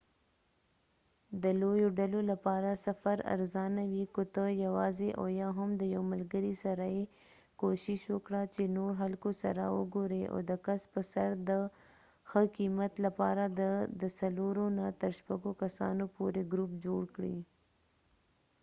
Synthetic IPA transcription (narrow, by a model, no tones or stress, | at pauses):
d̪əlojoɖalolapɑɾasafaɾa̰ɾzɑnawikot̪əjawɑzeʔa̰jɑɦamd̪əjawmalɡəɾisaɾaje | koʃɪʃwəkɽat͡ʃenoɾɦalkosa̰ɾa̰wə̰ɡoɾea̰d̪əkaspəsaɾd̪ə | xəkimat̪lapɑ̰ɾad̪əd̪əsaloɾonat̪əɾʃpaɡokasɑ̰nopoɾeɡɾupd͡ʒoɽkɽḭ